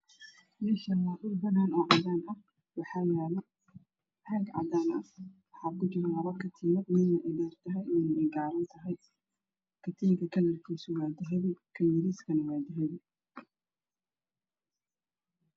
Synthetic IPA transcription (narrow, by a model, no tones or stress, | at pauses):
mɛːʃɐnwaːʔʊrbɐnaːnɔːʕɑd̪aːnɐh | wɑħɑːjaːlɐ | haːɡʕɑ̰d̪aːnɐwɑħɑːkʊd͡ʒɪɾwɐɾɐkʰɐt̪ʰiːnɐmɪːnːɐʔɪdɛːrt̪ʰɐɦɛjɛnɛɡaːɾɐnt̪ʰɐɦɛj | kʰɐt̪ʰiːŋkʰɐkʰɐlɐrkʰiːsʊwaːd̪ɪɦɛðɪkʰɐjɪɾiːskʰɐnɐwaːd̪ɪɦɛðɪ